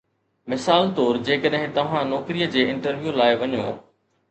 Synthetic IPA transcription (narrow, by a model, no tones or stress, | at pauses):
mɪsaːlt̪oːɾd͡ʑeːkəɗɦɪ̃t̪ɐʋ̤ãnɔːkɾijəd͡ʑeːɪ̃ɳʈəɾʋjulaːɪʋɐɲjõ̰ː